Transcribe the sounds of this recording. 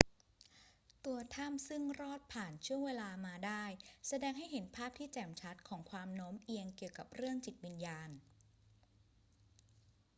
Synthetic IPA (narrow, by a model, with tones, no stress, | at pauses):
t̪u˧ɐt̪ʰa˥˩msɯ˥˩ŋɾɔː˥˩t̪̚pʰaː˨˩nt͡ɕʰu˥˩əŋweː˧laː˧maː˧daː˥˩jsa˧dɛː˧ŋɦa˥˩jɦe˩˦npʰaː˥˩p̚t̪ʰiː˥˩t͡ɕɛː˨˩mt͡ɕʰa˦˥t̪̚kʰɔː˩˦ŋkʰwaː˧mnoː˦˥mʔi˧əŋki˨˩əwka˨˩p̚ɾɯ˥˩əŋt͡ɕi˨˩t̪̚wi˧njaː˧n